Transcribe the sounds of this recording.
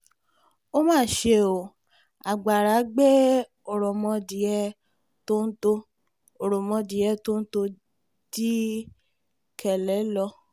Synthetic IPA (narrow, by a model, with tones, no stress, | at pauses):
o˦mãː˦˨ʃe˧˨o˨ | a˨ɡ͡ba˨ɾa˨˦ɡ͡be˦ | ɔ˨ɾɔ˨mɔ̃˧di˨ɛ˧ | to˦n̩˦to˧ | o˨ɾɔ˨mɔ̃˧di˨jɛ˧˦to˦n̩˦to˧ | di˦ | kʰɛ˨lɛ˨˦lɔ˧